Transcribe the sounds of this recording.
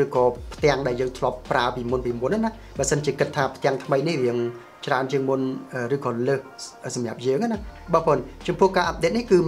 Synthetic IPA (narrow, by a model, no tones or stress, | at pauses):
rɨːkɑːpʰt̪ɛ̆əŋɗaɛljəːŋt̪ʰlŏəpːraəpiːmunpiːmuənanah | ɓaːsənt͡ɕiəkɨt̪ʰːaːpʰt̪ɛ̆əŋt̪ʰməjnihriəŋ | t͡ɕraənt͡ɕiəŋmunʔəːrɨːkɑːləːk̚əsɑmjap̚jəːŋanahɓɑːhpʰoːnt͡ɕɑmpʊ̆əhkaːʔap̪̚ɗet̪̚nihkɨː